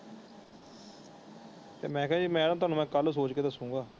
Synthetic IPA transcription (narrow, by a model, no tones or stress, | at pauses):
t̪ḛːmɛ̃ːkʰːãːd͡ʒiːmɛ̃ːɽãːt̪ʊaːnũːmɛ̃ːkəlsoːt͡ʃkeːd̪əsũːŋɡaː